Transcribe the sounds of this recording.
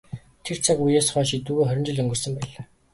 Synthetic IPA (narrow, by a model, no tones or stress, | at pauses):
t̪ʰer̥t͡sʰakujeːsχœːʃit̪uːɣeːχœɾ̆ʲt͡ɕɪ̆ɮɵŋɡɵ̆rsə̆mpæːɮaː